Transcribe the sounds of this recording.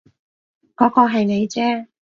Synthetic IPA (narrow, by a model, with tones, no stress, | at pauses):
kɔː˨˥kɔː˧ɦɐ˨jne˨˧jt͡sɛː˥